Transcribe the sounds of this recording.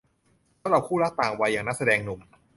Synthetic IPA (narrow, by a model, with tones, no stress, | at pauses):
laː˦˥wɾa˧wkʰuː˥˩ɾa˦˥k̚t̪aː˨˩ŋwa˧jːaː˨˩ŋna˦˥˩sa˧dɛː˧ŋnu˨˩˦ŋ